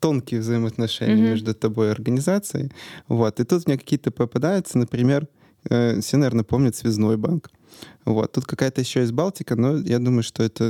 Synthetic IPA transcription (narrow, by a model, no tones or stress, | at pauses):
t̪o̞nkʲɪjəvzəɪməɐt̪nɐʂɛ̰nʲɪjəmʲe̞ʐd̪ʊt̪ɐbo̞jɪɐrɡənʲɪzat̪sɨɪ̰vo̞t̪ɨt̪ut̪mʲnʲekɐ̥kʲijət̪əpɾəpɐd̪ajʊt̪sənəpɾʲɪmʲe̞r | əfsʲenɐvʲernəpo̞mnʲʊt̪svʲɪznojbank | vo̞̰t̪ːut̪̚kɐkajət̪əjɪɕːojɪzʲbalˠtʲɪkənojad̪uməjʊʂt̪o̞ɛt̪ə